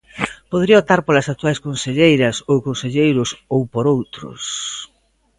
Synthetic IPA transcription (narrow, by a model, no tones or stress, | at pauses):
poðɾiɐot̪aɾpolɐsak̚t̪uajskonseʎejɾɐsowkonseʎejɾʊsowpoɾowt̪ɾʊ̰s